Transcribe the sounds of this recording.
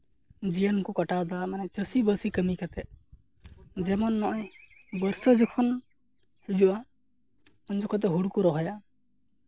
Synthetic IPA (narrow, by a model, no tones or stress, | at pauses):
d͡ʒijənkukaʈad̪amanɛt͡ʃəsibəsikəmikat̪ɛʔ | d͡ʒɛmɔnːɔʔɔj | bəɾsɔd͡ʒɔkʰɔn | hid͡ʒuʔa | ɔnd͡ʒɔkʰɔt̪̬ɛɦuɽkuɾɔɦɔja